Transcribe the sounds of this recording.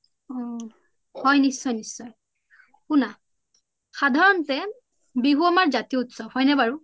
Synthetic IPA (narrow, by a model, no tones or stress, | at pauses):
ɔ | hɔjnisːɔjnisːɔj | kuna | xadʱaɹɔntɛ | biɦuamaɹzatiutsɔbhɔjnɛbaɹu